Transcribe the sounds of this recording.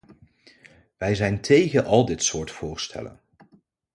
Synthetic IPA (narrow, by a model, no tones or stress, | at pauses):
ʋɛjzɛjntʰejχəʔɑlˠdɪtsʊːɹtfʊːɹstʰɛ̰lə̰n